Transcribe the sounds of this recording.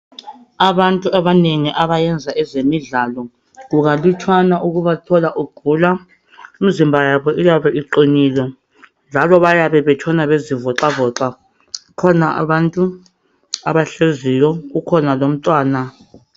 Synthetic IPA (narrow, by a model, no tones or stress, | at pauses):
aβantʼuaβaneŋiʔaβajɛnd͡zʱaʔɛzemiɮalɔ | ɣuɣalitʰwanaʔuɣuβatʰɔlaʔuɡ̥ʱuːla | um̩zimbʱajaβɔʔujaβɛʔiǃiniːlɔ | nd͡ʒʱalɔβajaβɛβɛtʰɔnaβezivɔǁavɔːǁa | kʰɔnaʔa̰βantʼu | aβaɬezijɔɣukʰɔnalom̩tʼwaːna